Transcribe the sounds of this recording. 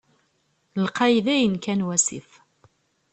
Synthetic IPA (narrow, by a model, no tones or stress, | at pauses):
lqɑjðæjənkænwæsḭf